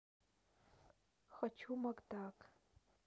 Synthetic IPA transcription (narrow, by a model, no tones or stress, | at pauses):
xɐt͡ʃʰumɐɡd̪aːk